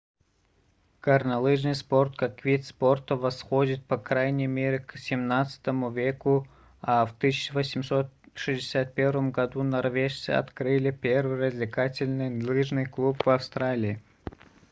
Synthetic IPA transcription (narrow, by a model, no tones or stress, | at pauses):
kərnɐlˠɨʐnɨjspo̞rt̪kakvʲit̪spo̞rt̪əvɐsxo̞dʲɪt̪̚pɐkɾajnʲɪjmʲeɾʲɪksʲɪmnat̪sɨ̥t̪əmʊvʲeku | aft̪ɨsʲɪt͡ɕɪvosʲɪmso̞t̪ʂɨzʲdʲɪsʲat̪̚pʲe̞rvəmɡɐd̪unɐrvʲeʂt̪sɨ̰ɐ̰t̪kɾɨlʲɪpʲervɨjrəzʲlʲɪkatʲɪlʲnɨjlˠɨʐnɨjklˠupvɐfst̪ɾalʲɪː